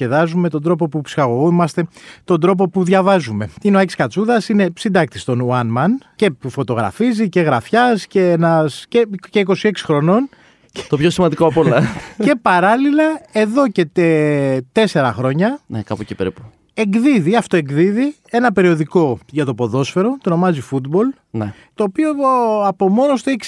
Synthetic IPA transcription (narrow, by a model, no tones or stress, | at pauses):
eðɐzume̞t̪od̪ɾo̞p̬o̞pupsi̥xɐɣo̞ɣomɐst̪e̞t̪o̞nd̪ɾo̞p̬o̞puðʝɐvɐzume̞ineɐciskɐt͡suðɐsine̞sind̪ɐk̚t̪i̥st̪o̞nuɐnmɐnce̞pufo̞t̪o̞ɣɾɐ̰fizice̞ɣɾɐfçɐsce̞enɐscece̞iko̞sie̞ksi̥xɾo̞no̞n | e̥t̪opço̞simɐnd̪ikoɐpolɐce̞pɐɾɐlilɐe̞ðo̞ce̞t̪et̪e̞se̞ɾɐxɾo̞ɲɐnekɐpucepeɾipu̥ | e̞ɡðiðiɐft̪o̞e̞ŋɡðiði | e̞nɐpe̞ɾio̞ðiko̞ʝɐt̪o̞po̞ðo̞sfe̞ɾo̞t̪ono̞mɐzifud̪bo̞l | n | t̪o̞ːpioɐpo̞mo̞no̞st̪oeçs